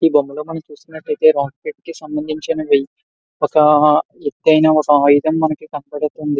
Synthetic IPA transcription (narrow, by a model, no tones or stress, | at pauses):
iːbomːuloːmɐnɐmt͡ʃuːsiunɐʈːɐjt̪e̞ːɾaːkpiʈ̚kisɐmbɐnd̪ʱiɲt͡ʃɐnɐʋɐji | ɔkɐet̪ːɐjnaːɔkɐaːjud̪ɐmːɐnɐkikɐnɐpɛɽɐt̪ond̪i